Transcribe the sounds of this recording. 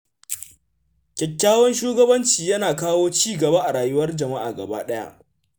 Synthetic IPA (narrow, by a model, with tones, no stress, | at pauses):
kʲɛ˨kʲːaː˦wɔ˦nʃuː˦ɡɐ˦bɐ˦nt͡ʃiː˨jɐ˦naː˨kaː˦woː˦t͡ʃiː˦˨ɡɐ˨ba˦ʔa˨ɽaː˨jʊ˦wɐ˦rd͡ʒɐ˨ma˦ʔa̰ː˨ɡɐ̰˨ba̰ː˦ɗɐ˦ja̰˦ʔ